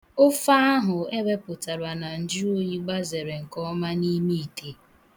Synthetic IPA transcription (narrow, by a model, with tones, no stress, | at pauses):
ʊ˦fa˦a˦ɦʊ˨e˦be˦pʊ˨ta˨ɾa˨na˨n̩˨d͡ʒi˦o˦ji˦ɡ͡ba˦ze˨ɾe˨ŋ̩˨kɔ˦ma˦ni˦mi˦i˨tʰe˦